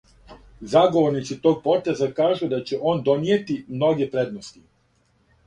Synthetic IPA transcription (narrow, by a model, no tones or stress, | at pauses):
zaɡo̞ʋo̞ɾnit̪sit̪o̞ːɡ̚po̞t̪e̞zakaːʒud̪at͡ɕeʔo̞ːnd̪o̞nije̞t̪imno̞ɡe̞pɾe̞d̪nost̪i